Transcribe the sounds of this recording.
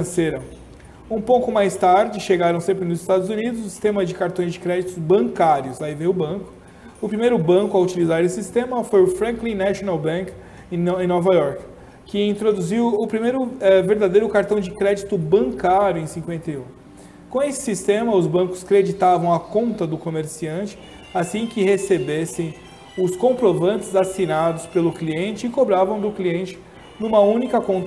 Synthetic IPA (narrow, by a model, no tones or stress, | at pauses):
seɾɐ | ũpõwkʊmajst̪aɾd͡ʒɪʃeɡaɾɐ̃w̃sẽpɾɪnʊzɪst̪ad̪ʊzunid̪ʊzʊsi̥st̪ẽmɐd͡ʒɪkaɾt̪õj̃zd͡ʒɪkɾɛd͡ʒit̪ʊzbɐ̃ŋkaɾjʊslaivejʊbɐ̃kʊ̥ | ʊpɾimejɾʊbɐ̃kʊɐut͡ʃilizaɾesɪsist̪ẽmɐfojʊfɾɐ̃klĩnaʃonawbɐ̃k | ẽnɔvɐjɔɾkː | ɪĩnt̪ɾod̪uziwʊpɾimejɾʊɛveɾd̪ad̪ejɾʊkaɾt̪ɐ̃w̃d͡ʒɪkɾɛd͡ʒit̪ʊbɐ̃ŋkaɾjʊẽj̃sĩkwẽnt̪ejũ | kõw̃esɪ̥sist̪ẽmɐʊzbɐ̃kʊ̥skɾed͡ʒit̪avɐ̃w̃ɐkõnt̪ɐd̪ʊkomeɾsiɐ̃nt͡ʃɪ̥ | asĩkɪhesebesẽj̃ | ʊskõpɾovɐ̃nt͡ʃɪzasinad̪ʊspelʊkliẽnt͡ʃɪɪkobɾavɐ̃w̃d̪ʊkliẽnt͡ʃɪ̥ | nũmɐũnikɐkõt̪